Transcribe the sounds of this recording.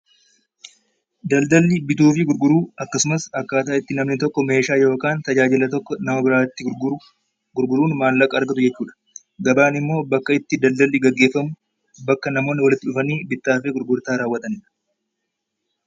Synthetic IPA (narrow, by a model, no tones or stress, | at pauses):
d̪ɐld̪ɐlːɪbɪt̪uːfɪɡʊɾɡʊɾuːɐkːɐsʊmɐsɐkːaːt̪aːɪt̪ːɪnɐmnɪt̪ɔkːɔme̞ːʃaːjo̞ːkaːnt̪ɐd͡ʒaːd͡ʒɪlɐt̪ɔkːɔnɐmɐbɪɾaːt̪ːɪɾʊ | ɡ̥ʊɾɡʊɾuːnmaːlːɐkʼɐːɾɡɐt̪ʊd͡ʒɛt͡ʃːuːᶑɐ̥ | ɡɐbaːnɪmːo̞ːbɐkːɐɪt̪ːɪd̪ɐld̪ɐlːɪɡɐɡːe̞ːfːɐmʊ | bɐkːɐnɐmo̞ːnːɪwɐlɪt̪ːɪᶑʊfɐniːbɪt̪ːaːfeːɡʊɾɡʊɾt̪aːɾaːwːɐt̪ɐnɪᶑɐ̥